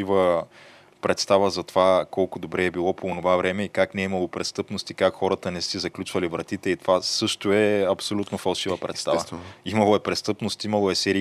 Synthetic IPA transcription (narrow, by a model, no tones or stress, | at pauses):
ivə | pɾɛt̪st̪avəzɐt̪ovakɔlˠkʊd̪obɾɛːbilˠɔpoːnovavɾɛmɛikaknɛimɐlˠopɾɛst̪ɤpnost̪ikakxɔɾət̪ənɛsizɐklʲut͡ʃvɐlivɾɐt̪it̪ɛit̪ovasɤʃt̪oɛɐpsolʲut̪nofɐlˠʃivəpɾɛ̰t̪st̪avəimɐlˠoɛpɾɛst̪ɤpnost̪imɐlˠoɛsɛɾi